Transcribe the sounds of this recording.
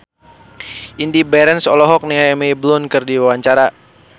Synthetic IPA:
ʔindibaɾɛnsɔlɔɦɔk̚niŋaɛmeiblʊnkɨrdiwawaɲt͡ʃaɾa

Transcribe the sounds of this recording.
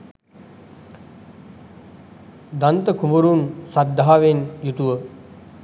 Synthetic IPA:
d̪ant̪əkʰuməɾunsad̪ʱːaɦaʋenjut̪uʋə

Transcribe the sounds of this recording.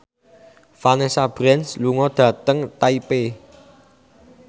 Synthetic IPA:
fanesab̥ɾɛnsluŋɔd̪̥ä̤t̪əŋt̪aipe

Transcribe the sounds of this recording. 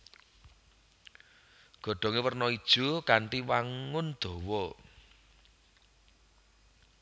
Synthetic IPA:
ɡ̥ɔ̤ɖ̥ɔ̤ŋewərnɔid̥ʒ̥o̤kaɳʈiwaŋʊnd̪̥ɔ̤wɔ

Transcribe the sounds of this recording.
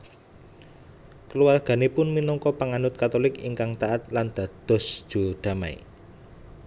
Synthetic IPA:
kəluwarɡ̥ä̤nepʊnminɔŋkɔpaŋanʊt̪̚kat̪olɪkḭŋkaŋt̪aʔat̪̚land̪̥ä̤d̪̥ɔ̤sd̥ʒ̥o̤d̪̥ä̤ma̰ḭ

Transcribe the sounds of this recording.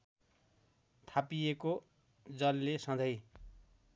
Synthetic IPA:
t̪ʰapijeko | d͡zʌlːesʌ̃d͡zʌj

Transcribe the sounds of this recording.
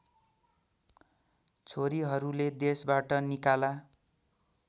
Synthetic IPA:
t͡sʰoɾiɦʌɾuled̪esbaʈʌnikala

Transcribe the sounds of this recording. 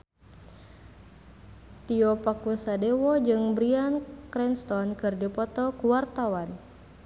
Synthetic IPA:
t̪iɔpakusadewɔd͡ʒɨŋbɾiankɾɛnst̪ɔnkɨrdipɔt̪ɔkuwart̪awan

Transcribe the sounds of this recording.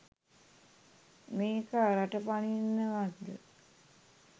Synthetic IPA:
meːkaɾaʈəpaninːəʋad̪ə

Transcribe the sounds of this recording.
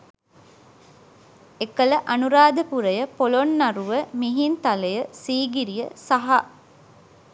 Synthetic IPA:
ekələʔanuɾaːd̪əpuɾəjəpolonːaɾuʋəmiɦint̪aləjəsiːɡiɾijəsaɦa

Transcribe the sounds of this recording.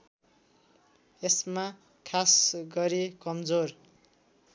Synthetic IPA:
esma | kʰasɡʌɾekʌmd͡zor

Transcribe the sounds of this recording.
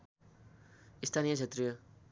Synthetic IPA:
ist̪ʰanijʌt͡sʰet̪ɾijʌ

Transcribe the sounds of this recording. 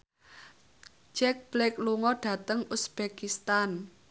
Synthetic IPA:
d͡ʒɛk̚b̥lɛkluŋɔɖ̥ä̤t̪əŋusb̥ekist̪an

